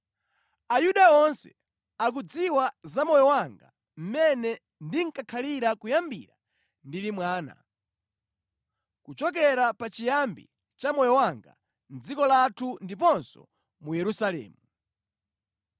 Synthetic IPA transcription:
ajuɗaɔnsɛ̰ | ak̬ud͡ziwazamɔjɔwaŋɡa̰ | m̩mɛnɛ | ndiŋkakʰaliɾakujambḭɾa | ndilimwaːna̰ | kut͡ʃɔk̬ɛɾapat͡ʃijambḭ | t͡ʃamɔjɔwaŋɡa̰ | n̩d͡zikɔlatʰundipɔnsɔ̰ | mujɛɾusalɛ̰ːmu

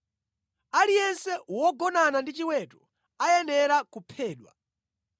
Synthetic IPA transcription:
alijɛnsɛwɔɡɔnanandit͡ʃiwɛtɔ̥ | ajɛnɛɾakupʰɛːɗwa̰

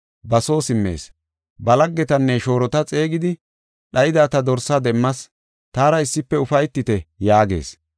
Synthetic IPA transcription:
bɐso̞ːsɪmːe̞̰ːs | bɐlɐɡːɛt̪ɐnːɛʃo̞ːɾɔt̪ɐt͡sʼe̞ːɡɪd̪ɪ | ɗɐjɪd̪aːt̪ɐd̪ɔɾsɐd̪ɛmːɐs | t̪aːɾɐɪsːɪpːɛʊfɐjt̪ːɪt̪ɛjaːɡe̞̰ːs

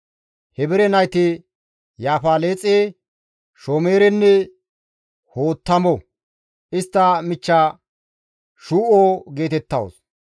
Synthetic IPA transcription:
hɛbɪɾɛnɐjt̪ɪ | jaːfaːle̞ːt͡sʼːeː | ʃoːmeːɾɛnːɛ | hoːt̪ːɐmɔ | ʔɪst̪ːɐmɪt͡ʃːa | ʃuːʔoːɡe̞ːt̪ɛt̪ːɐ̰wo̰s

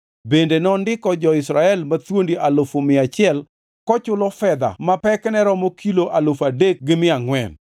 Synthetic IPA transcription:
bendenɔndɪkɔd͡ʒɔɪsɾaɛlmat̪wondiʔalofomɪat͡ʃɪɛl | kɔt͡ʃʊlɔfɛd̪a̰mapɛknɛɾɔmɔkʰiloʔalofadek̚ɡɪmɪaŋwɛn

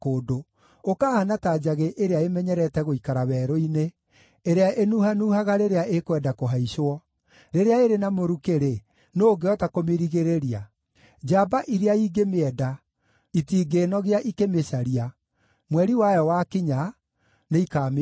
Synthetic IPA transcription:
koːdo | okaːhanataːd͡ʒaɣeʔeɾeaemɛɲɛɾɛtɛɣoikaɾaβɛːɾɔineː | ɾeaʔenuɦanuːɦaɣaɾeɾeaʔekwɛdakoɦaiʃoɔ | ɾeɾeaeɾenamoɾukeɾe | noːɡeɔtakomeɾiɣeɾeɾia | d͡ʒabaʔiɾeaiːɡemeɛda | itiːɡeːnɔɣeaʔikemeʃaɾia | mwɛɾiwajɔwakiɲa | neikam

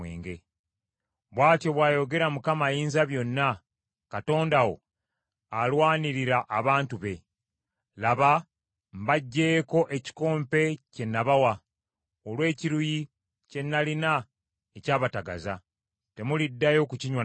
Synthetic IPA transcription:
ḛːŋɡe̞ | βwaːtjo̞βwaːjo̞ɡe̞ɾamukamajiːnzaβjo̞nːa | kato̞ːndawo̞̰ | alwaːniɾiɾaʔːβaːntuβe̞ | laβa | mbaɟːe̞ːko̞ʔe̞ci̥ko̞ːmpe̞ce̞nːaβawa | olwe̞ːciɾuji | ce̞nːalina | ecaːβataɡa̰za | te̞mulidːajo̞kuciɲwa

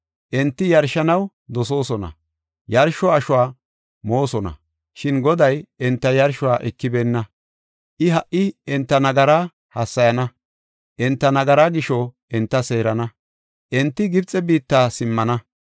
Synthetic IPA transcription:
ʔɛnt̪ːɪjɐɾʃɐnɐw | d̪ɔs̬o̞ːsɔnɐ̰ | jɐɾʃɔɐʃʊwaː | mo̞ːsɔnɐ̰ | ʃɪnɡɔd̪ɐjɛnt̪ːɐjɐɾʃʊwaːʔɛkːɪbeːnːɐ | ʔɪɦɐʔʔɪɛnt̪ːɐnɐɡɐɾaː | hɐsːɐjɐnɐ | ʔɛnt̪ːɐnɐɡɐɾaɡɪʃɔʔɛnt̪ːɐse̞ːɾɐnɐ | ʔɛnt̪ːɪɡɪbt͡sʼɛbiːt̪ːaːsɪmːɐnɐ

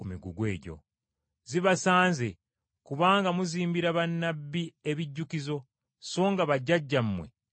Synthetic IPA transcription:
umiɡuɡwe̞̰ːɟo̞̰ | ziβasaːnze | kuβaːŋɡamuziːmbiɾaβanːabːieβiɟːukizo̞ | so̞ːŋɡaβaɟːaɟːamwe̞̰

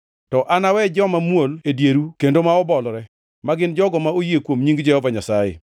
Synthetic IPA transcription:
tɔʔanawɛd͡ʒɔmamwoledjeɾukendomaɔbɔlɾɛ | maɡɪnd͡ʒɔɡɔmaojekwomɲiŋɡd͡ʒɛhɔvaɲasajḛ

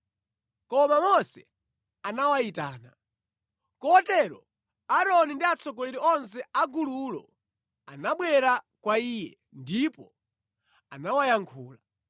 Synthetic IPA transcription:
kɔmamɔsɛ | anawaita̰ːna | kɔtɛɾɔ̰ | aɾɔnindiat͡sʰɔɡɔlɛɾiɔnsɛaɡululɔ̰ | anaɓwɛɾakwaiːjɛ̰ | ndipɔ | anawajaŋkʰuːla

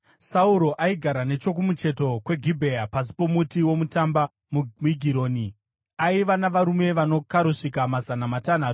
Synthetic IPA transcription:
sauɾo̞ʔaiɡʱaɾane̞t͡ʃo̞k̬umut͡ʃe̞to̞kwe̞ɡʱibʱe̞apas̬i̥po̞mutiwo̞mutamba | mmiɡʱiɾo̞ːni | aiʋanaʋaɾume̞ʋano̞kaɾuʂikamazanamatan̤aːtu̥

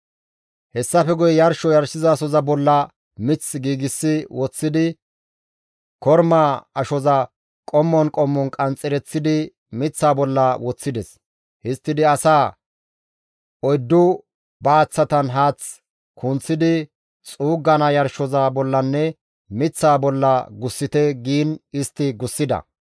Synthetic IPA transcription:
hɛsːɐfɛɡʊjɛjɐɾʃɔjɐɾsɪzɐːsɔzɐbɔlːɐ | mɪt͡sːɡiːɡɪsːɪwɔt͡sːɪd̪ɪ | kɔɾmaɐʃɔzɐ | kʼɔmːɔnkʼɔmːɔnkʼɐnt͡sʼːɪɾɛt͡sːɪd̪ɪ | mɪt͡sːaːbɔlːɐwɔt͡sːɪd̪ɛs | hɪst̪ːɪd̪ɪɐsaː | ɔjd̪ːʊ | bɐːt͡sːɐt̪ɐnɦaːt͡s | kʰʊnt͡sːɪd̪ɪ | t͡sʼuːɡːɐnɐjɐɾʃɔzaːbɔlːɐnːɛ | mɪt͡sːaːbɔlːɐɡʊsːɪt̪ɛɡiːnɪst̪ːɪɡʊsːɪd̪ɐ̰

